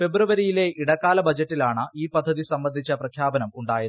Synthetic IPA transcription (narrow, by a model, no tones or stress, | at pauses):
fe̞bruʋɐɾijile̞iɽɐkːaːlɐbɐd͡ʑɐtːilaːɳɨʔiːpɐd̪ʱːɐðisɐmbɐnd̪ʱit͡ɕːɐprɐkʰjaːbɐnɐmuɳɖaːjɐ